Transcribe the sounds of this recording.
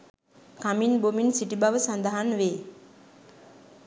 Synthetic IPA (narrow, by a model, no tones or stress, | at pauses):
kʰaminbominsiʈibaʋəsand̪aɦanʋe